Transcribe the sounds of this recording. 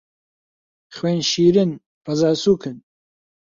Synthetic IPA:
χweːnʃiːɾɨn | pɐzaːsuːkʰɨn

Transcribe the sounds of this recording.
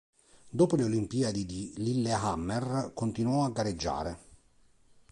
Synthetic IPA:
d̪oːpoleolimpiːad̪id̪ililːeɦamːerkont̪inwɔaɡːaɾed͡ʒːa̰ːɾe

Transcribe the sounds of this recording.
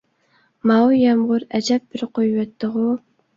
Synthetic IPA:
mɑwjɛmʁʊɾɛd͡ʒɛp̚bɪɾqʰojwɛt̪ʰːɨʁʊ

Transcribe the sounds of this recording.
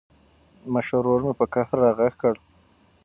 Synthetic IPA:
maʃoɾoɾmepəkahɾːɑɣaxkəɽ

